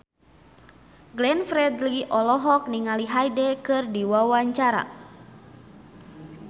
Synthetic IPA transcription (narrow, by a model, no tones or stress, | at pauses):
ɡlɛnfɾɛdliʔɔlɔɦɔk̚niŋaliɦajdɛkɨrdiwawaɲt͡ʃaɾa̰